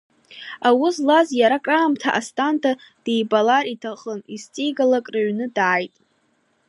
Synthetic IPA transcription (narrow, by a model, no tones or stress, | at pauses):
awʊslazjaɾakʼraːmtʰaʔastʼantʰad̥ejbalaritʰaχənist͡sʼijɡalakʼraɥnɨdaːjtʼ